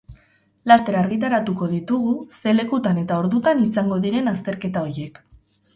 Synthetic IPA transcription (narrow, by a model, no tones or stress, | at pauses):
last̪e̞ɾaːɾɣit̪̬aɾat̪uko̞ðit̪uɣuse̞le̞kut̪ane̞t̪ao̞ɾðut̪anisaŋɡo̞ðiɾe̞nast̪e̞ɾke̞t̪ao̞jje̞k